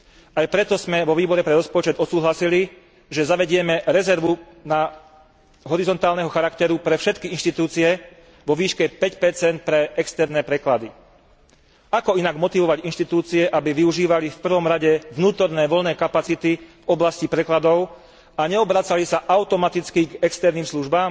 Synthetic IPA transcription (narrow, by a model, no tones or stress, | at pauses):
ajpɾɛt̪ɔzmɛʋɔʋiːbɔɾɛpɾɛɾɔspɔt͡ʃɛd̪ɔt̪suːɦlasili | ʒɛzaʋɛɟɪɛmɛɾɛzɛɾʋu | na | ɦɔɾizɔnt̪aːlnɛɦɔxaɾakt̪ɛɾupɾɛfʃɛt̪kiinʃt̪it̪uːt͡siɛ | ʋɔʋiːʃkɛpɛcpɛɾt͡sɛnt̪̚pɾɛɛkst̪ɛɾnɛpɾɛklad̪i | akɔinaɡmɔt̪iʋɔʋaɟinʃt̪it̪uːt͡siɛʔabiʋiuʒiːʋalifpr̩ʋɔmɾaɟɛʋnuːt̪ɔɾnɛːʋɔʎnɛːkapat͡sit̪ivɔblascipɾɛklad̪ɔʊ | aɲɛɔbɾat͡salisaʔaʊt̪ɔmat̪it͡skiɡɛkst̪ɛɾniːmsluʒbaːm